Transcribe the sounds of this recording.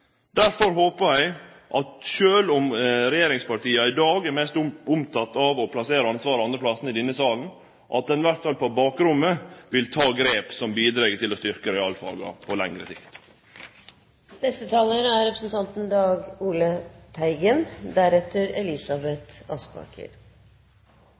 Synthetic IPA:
d̪̥æɾfɔɾɦoːpəæɪ | ʔɑt̪ʃøːlʊmɾɛjeːɾɪŋspɑʈiːɑɪd̪ɑːɡɛɾmɛst̪ʊʊmt̪ʰɑt̪ːɑʋɔpʰlɑseːɾəɑnsʋɑːɾəɑnd̪ɾəplɑsnəɪd̪ɪnːəsɑːln̩ | ʔɑt̪̚d̪ɛnʋæɾt̪fɑlpʰɔbɑːkɾʊmːəʋɪlt̪ʰɑːɡɾeːpsɔmbiːd̪ɾeɡət̪ʰɪlɔst̪ʏɾkəɾɛɑlfɑ̰ːɡɑ̰pʰɔlɛŋɾəsɪkt̪ | nɛst̪ət̪ʰɑːləɾæɾɾɛpɾəsnt̪ʰɑnt̪n̩d̪ɑːɡuːlət̪ʰæɪɡənd̪æɾɛt̪ːəɾɛlɪsɑbɛt̪ɑ̰nspɑ̰kʰə̰ɾ

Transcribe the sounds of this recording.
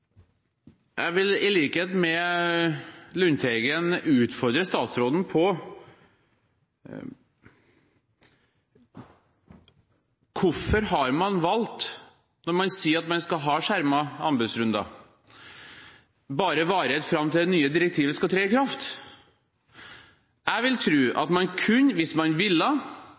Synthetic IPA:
jʔæ̰ɪʋɪlɪliːkəheːt̪mɛ | lʉnt̪ʰɛɡənʉːt̪fɔɾd̪ɾəst̪ɑːt̪sɾoːd̪n̩pʰɔ | kʰʊɾfɔɾhɑɾmɑnʋɑlt̪ | nɔɾmɑnsiːɾɑt̪mɑnskɑlɦɑːʂæɾmɑɑnbɛd̪sɾʉnd̪ɑ̰ | bɑːɾəʋɑːɾɛt̪fɾɑmːt̪ʰɪlɛnyːəd̪ɪɾɛk̚t̪ʰiːʋəskɑt̪ʰɾeːɪkʰɾɑft̪ | æɪʋɪlt̪ʰɾʉːʔɑ̰t̪mɑnkʰʉnːʋɪsmɑnʋɪlːə

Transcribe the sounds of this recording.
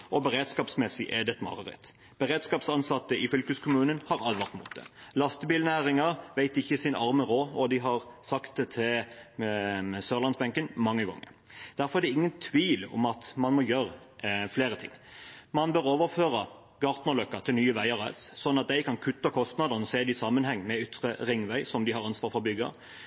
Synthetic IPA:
ɔbəʁeːd̪skɑːpsmɛsɪʔeːd̪ɛt̪mɑ̰ʁəʁɛ̰t̪ | b̥əʁeːd̪skɑːpsɑnsɑt̪ːəʔɪfʏlkəskʰʊmʉːnənhɑʁɑlʋɑʁt̪mṵːt̪̚d̪ɛ̰lɑst̪əbiːlnæːʁɪŋɑɾʋæɪt̪ɪçːəsɪnɑʁməʁoːɔd̪ɪɦɑʁsɑkt̪̚ɛt̪ʰɪl | søːʁlɑnsbɛŋkənmɑŋːəɡɑ̰ŋːə̰ | d̪̥æʁfɔʁæʁd̪ɛɪŋːənt̪ʰʋiːlʊ̰mɑt̪mɑnmɔjøːʁəfleːʁət̪ʰɪ̰ŋːmɑnbøːʁoːʋəʁføːʁə | ɡ̥ɑːʁt̪nəlœkːət̪ʰɪlnyːəʋæɪɑʁæɪssɔnːɑt̪̚d̪æɪkʰɑnkʰʉt̪ːəkʰɔst̪nɑːd̪ənɔseːd̪ɪsɑmːənhɛŋːmɛʏt̪ʁəʁɪŋːʋæɪsɔmd̪ɪhɑʁɑnsʋɑːʁfɔbʏɡɑ̰

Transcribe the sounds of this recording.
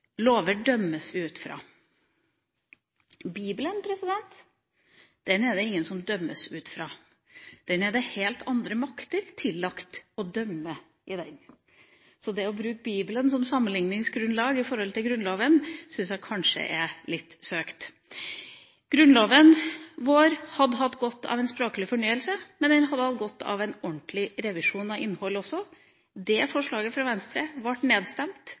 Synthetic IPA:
loːʋəɖœmːəsʋɪʉːt̪fɾɑ̰ː | biːblənpʰɾɛsɪd̪ɛnt̪ | d̪̥ɛnɛd̪ɛɪŋːənsɔmd̪œmːəsʉːt̪fɾɑː | d̪̥ɛnɛd̪ɛheːlt̪ʰɑnd̪ɾəmɑkt̪əɾt̪ʰɪlːɑkt̪ɔd̪œmːə | ʔɪd̪ɛn | sɔd̪ɛɔbɾʉːk̚biːblənsɔmsɑmːənlɪŋnɪŋsɡɾʉnlɑːɡɪfɔɾhɔlt̪ʰɪlɡɾʉnloːʋənsʏnsjæɪkʰɑnʂə̰ʔɛlɪt̪ːsøːkt̪ | ɡ̥ɾʉnloːʋənʋoːɾhɑd̪ːəɦɑt̪ːɡɔt̪ːɑ̰ʋɛnspɾoːklɪfɔɳyːəlsəmɛnd̪ɛnɦɑd̪ːəɑlt̪̚ɡɔt̪ːɑ̰ʋɛnɔnt̪lɪɾɛʋɪʂuːnɑʋɪnːhɔlɔsːɔ | d̪ɛfɔʂɭɑːɡəfɾɑʋɛnst̪ɾəʋɑʈːneːd̪st̪ɛmt̪

